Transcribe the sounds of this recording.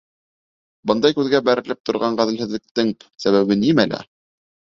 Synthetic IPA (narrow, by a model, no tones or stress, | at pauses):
bɤnd̪ɑjkʉðɡæbæɾɘ̆lɘp̚t̪ŏɾʁɑɴɢæðɘ̆lhɘ̆ðlɘ̆k̚t̪ɘŋsæβæβɘnimælʔæ̰